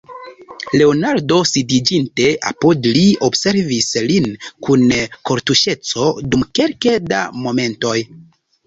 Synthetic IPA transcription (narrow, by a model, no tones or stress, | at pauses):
le̞onaɾdo̞sidid͡ʒinte̞ʔa̰podlio̞bse̞ɾvislinkunko̞ɾtuʃe̞t͡so̞dumke̞lke̞da̰mo̞me̞nto̞j